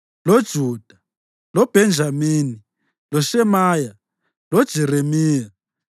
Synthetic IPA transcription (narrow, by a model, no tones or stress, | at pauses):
lɔd̥ʒ̥ʱuːd̥ʱa | lɔb̥ʱɛnd͡ʒʱamiːni | lɔʃɛmaːja | lɔd̥ʒ̥ʱɛɾemiːja